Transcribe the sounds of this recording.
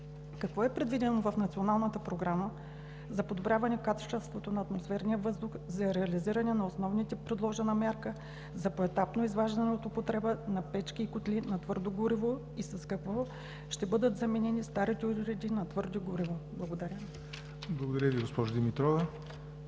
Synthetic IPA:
kɐkvɔɛpɾɛd̪vid̪ɛnovɐfnɐt̪sionalˠnət̪əpɾoɡɾamə | zɐpod̪obɾʲjavɐnɛkat̪o̥t͡ʃɛlˠst̪vot̪onɐːt̪mosfɛɾnijəvɤzd̪ʊxzɐɾɛɐliziɾɐnɛnɐosnɔvnit̪ɛpɾɛd̪lˠɔʒɛnɐmʲjaɾkə | zɐpoɛt̪apnoizvaʒd̪ɐnɛot̪ʊpot̪ɾɛbənɐpɛt͡ʃkiːkʊt̪lʲinɐt̪vɤɾd̪oɡʊɾivo | isɐskɐkvɔ | ʃt̪ɛbɤd̪ət̪zɐmɛnɛnist̪aɾit̪ɛuɾɛd̪inɐt̪vɤɾd̪oɡʊɾivoblˠɐɡod̪ɐɾʲə | blˠɐɡod̪ɐɾʲəviɡospɔʒʊd̪imit̪ɾɔvə

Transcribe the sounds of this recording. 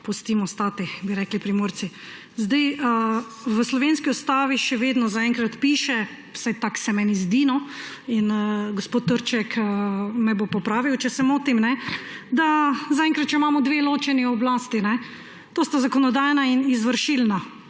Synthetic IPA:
pust̪iːmɔst̪aːt̪ibiɾɛklipɾimoːɾt̪si | zd̪ajə | ʋəslɔʋenskiust̪aːʋiʃɛʋeːd̪nɔzaɛŋkɾat̪piːʃɛ | sajt̪aksɛmɛnizd̪inɔ | inɡospot̪ːəɾt͡ʃɛkəmɛbopɔpɾaːʋiwt͡ʃɛsɛmoːt̪imnɛd̪azaɛ̃ŋkɾat̪̚t͡ʃɛimamɔd̪ʋeloːt͡ʃɛniɔblaːst̪inɛ | t̪oːst̪azakɔnɔd̪aːjnainizʋəɾʃilna

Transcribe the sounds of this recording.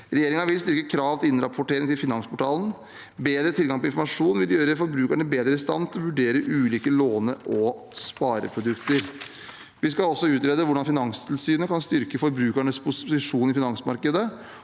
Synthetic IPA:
ɾɛjeːɾɪŋɑʋɪlst̪ʏɾkəkʰɾɑːʋt̪ʰɪɪnɾɑpʰʊʈeːɾɪŋt̪ʰɪlfɪnɑŋspʰɔʈʰɑːln | beːd̪ɾət̪ʰɪlɡɑŋpʰɔɪnfɔɾmɑʂuːnʋɪld̪ɪjøːɾəfɔɾbɾʉːkæɳəbeːd̪ɾəɪst̪ɑ̰nt̪ʰːʋʉɖeːɾəʔʉːliːkəloːnəʔɔ | spɑːɾə̰pʰɾʊd̪ʉkt̪əɾ | ʋɪskɑlɔsːɔʉːt̪ɾeːd̪əʋʊɖɑnfɪnɑŋst̪ʰɪlsyːnəkʰɑnst̪ʏɾkəfɔɾbɾʉːkæɳəspʰʊsɪʂuːnɪfɪnɑŋsmɑɾkəd̪ə

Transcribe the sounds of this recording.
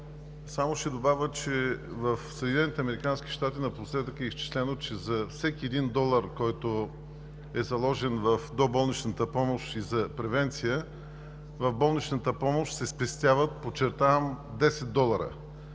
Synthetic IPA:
samoʃɛd̪obavʲət͡ʃɛvɐfsəd̪ʲinɛnit̪ɛɐmɛɾikansk̟i̥ʃt̪at̪inɐpɾosɛt̪əkːist͡ʃi̥slɛnot͡ʃɛzɐfsɛkʲiɛd̪ind̪ɔlˠəɾkɔjt̪o | ɛzɐlˠɔʒɛnvɐfd̪obɔlˠnit͡ʃnət̪əpɔmoʃizɐpɾɛvɛnt̪sijə | vɐvbɔlˠnit͡ʃnət̪əpɔmoʃt̪sɛspɛst̪ʲjavət̪̚pot͡ʃɛɾt̪avəmd̪ɛsɛd̪̚d̪ɔlˠəɾə̰

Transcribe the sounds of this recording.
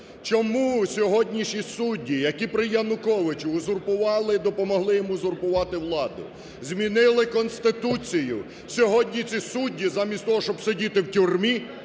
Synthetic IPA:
t͡ʃɔmusʲɔɦɔdʲnʲiʃisudʲːijɐkʲipɾɪjɐnʊkɔʋɪt͡ʃʊːzʊrpʊʋɑlˠɪd̪ɔpɔmɔɦlˠɪjɔmuzʊrpʊʋɑt̪ɪwlˠɑd̪ʊ̰ | zʲmʲinɪlˠɪkɔnst̪ɪt̪ut͡sʲijʊ̰ | sʲɔɦɔdʲnʲit͡sʲisudʲːizɑmʲisʲt̪ɔɦɔʃt͡ʃɔbsedʲit̪ɪwtʲurmʲi

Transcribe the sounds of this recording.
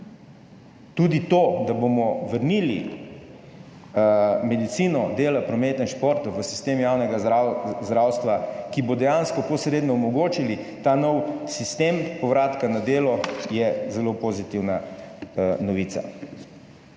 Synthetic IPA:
t̪ud̪it̪od̪abomɔʋəɾnili | mɛd̪it̪siːnɔd̪eːlapɾɔmeːt̪əinʃpoːɾt̪ɔʋəsi̥st̪eːmjawnɛɡazd̪ɾawst̪ʋakibod̪ɛjaːnskɔposɾeːd̪nɔɔmɔɡoːt͡ʃilit̪anɔwsist̪eːmpɔʋɾaːt̪kanad̪eːlɔjɛzɛlopozit̪iwna | nɔʋiːt̪sa̰

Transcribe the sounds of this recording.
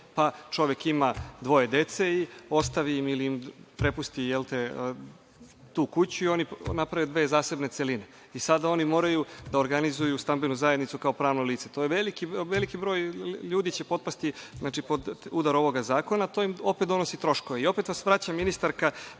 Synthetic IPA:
pat͡ʃo̞ʋe̞kimad̪ʋo̞je̞d̪e̞t̪se̞io̞st̪aʋiimiliimpɾe̞pust̪ijelt̪e | t̪uːkut͡ɕuio̞ninapɾaʋjud̪ʋe̞ːzaːse̞bne̞t̪seline̞ | isad̪ao̞nimo̞ːɾajud̪aoɾɡanizujust̪ambenuzajed̪nit̪ukaopɾaːʋnoliːt̪se̞t̪o̞jeʋelikiʋe̞likibɾo̞ːjʎuːd̪it͡ɕe̞po̞d̪past̪iznaːt͡ʃipod̪ud̪aɾo̞ʋo̞ɡazaːko̞naːt̪o̞imo̞pet̪̚d̪o̞no̞sit̪ɾo̞ʃko̞ʋeio̞pe̞t̪ʋasʋɾat͡ɕamːinist̪aɾka

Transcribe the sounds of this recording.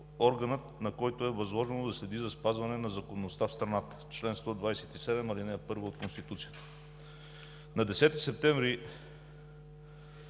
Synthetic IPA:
ɔɾɡɐnət̪nɐkɔjt̪oɛvɐzlˠɔʒɛnod̪ɐslɛd̪izɐspazvɐnɛnɐzɐkonːost̪afst̪ɾɐnat̪ə̥t͡ʃlɛnst̪ɔd̪vajsɛt̪isɛd̪ɛmɐlinɛpɤɾvoot̪̚konst̪it̪ut̪sijət̪ə̥ | nɐd̪ɛsɛt̪isɛp̚t̪ɛ̃ɱvɾi

